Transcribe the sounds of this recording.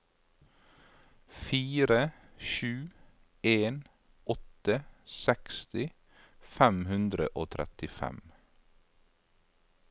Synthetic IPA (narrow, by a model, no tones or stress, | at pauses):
fiːɾə | ʃʉː | ʔeːn | ɔt̪əsɛkst̪ɪ | fæmhʉnd̪ɾə̰ʔoːt̪ʰɾɛ̰t̪ɪfɛ̰m